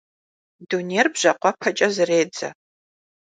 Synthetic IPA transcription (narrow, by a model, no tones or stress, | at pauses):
duneːrbʑɐqʷɔpʰɐt͡ʃʼɐzɨreːd͡zɐ̰